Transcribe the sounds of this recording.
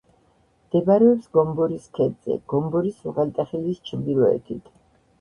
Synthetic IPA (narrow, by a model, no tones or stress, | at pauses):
md̪̥ɛbaɾɛɔpsɡɔmbɔɾiskʰɛd̪zɛ̰ɡ̥ɔmbɔɾisuʁɛlt̪ʼɛχilist͡ʃʰmb̪iɾɔɛ̰t̪ʰit̪ʰ